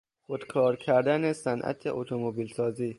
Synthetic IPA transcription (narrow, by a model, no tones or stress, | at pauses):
xod̪̥kʰɒːɾcʰæɾd̪ænesænʔæ̰t̪ʰeʔot̪ʰomobiːlsɒːziː